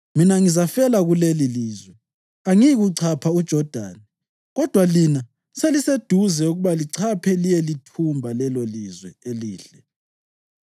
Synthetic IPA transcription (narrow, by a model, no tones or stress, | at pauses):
minaŋizafɛlaɣuleliliːzwɛ | aŋiiɣuǀʰapʰaud̥ʒ̥ʱɔd̥ʱa̰ːni | ɣɔd̥ʱwalina | selised̥ʱuzɛuɣuβaliǀʰapʰɛlijɛlitʰumbʱalɛlolizwɛeliːɬɛ